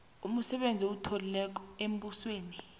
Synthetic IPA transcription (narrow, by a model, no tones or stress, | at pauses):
um̩sɛɓend͡zʱiutʰolilɛk̬ɔ̥em̩busweːni